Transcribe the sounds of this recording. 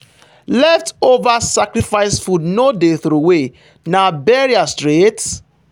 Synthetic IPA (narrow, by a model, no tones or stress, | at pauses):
lɛftovasakɾifaɪsfudnodeθɾuwe | nabɛɾiastɾet